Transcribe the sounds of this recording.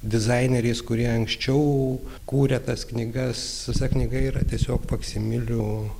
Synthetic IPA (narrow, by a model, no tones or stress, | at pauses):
d̪ʲɪzɐɪnʲɛɾʲeɪskʊɾʲiɛɐŋksʲt͡ʃʲɛʊ | kuːɾʲɛt̪ɐsknʲiɡɐsɪsɐknʲɪɡɐiːɾɐt̪ʲiɛsʲoːkpɐksʲɪmʲɪlʲʊ